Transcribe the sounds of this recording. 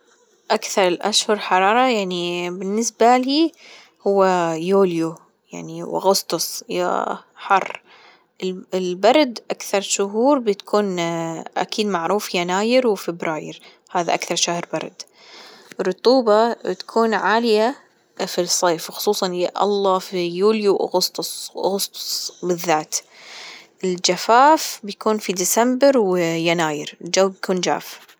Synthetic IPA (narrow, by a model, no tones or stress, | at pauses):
ʔakθɑɾˤlʔaʃhʊɾˤħɑɾˤɑːɾˤɑjaʕnibɪnːɪsbaliː | hʊwːajoːlju | ja̰ʕniwɪ̰ɣʊst̪ˤʊsˤja̰ħɑrˤː | ɪɪlbɑɾˤd̪ʔakθɑɾˤʃʊɦuːɾbɪt̪ḁkʰuːnʔa̰kʰiːd̪maʕɾuːfjanaːjɪɾwfɪbɾaːjɪ̰ɾ | haːðaʔakθɑɾˤʃahɾˤbɑ̰ɾˤd̪ | ɾˤʊt̪ˤuːbɑbɪt̪ḁkʰuːnʕaːlɪja | fisˤːeːfwxʊ̥sˤuːsˤɑnjaʔɑ̰lˤːɑːfijuːljuwʔa̰ɣʊst̪ˤʊsʔa̰ɣʊst̪ʊ̥sˤbɪðːaːt̪ | ʔɪld͡ʒafaːfbjakuːnfid̪ɪsambɪɾwjanaːjɪɾɪld͡ʒawːbjakuːnd͡ʒa̰ːf